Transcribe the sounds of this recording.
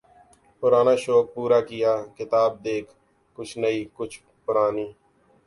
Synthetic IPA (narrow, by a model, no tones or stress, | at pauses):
pʊɾaːnaːʃoːk̚puːɾaːkɪjaːkɪt̪aːb̚d̪eːkʰ | kʊt͡ʃʰnəiːkʊt͡ʃʰ | pʊɾaːniː